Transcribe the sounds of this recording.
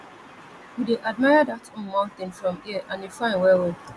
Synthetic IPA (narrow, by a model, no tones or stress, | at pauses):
wideʔad̚maɪadatõmɔt̪ɪ̃ŋfɹɔ̃miəʔãnefãɪ̃nwɛwe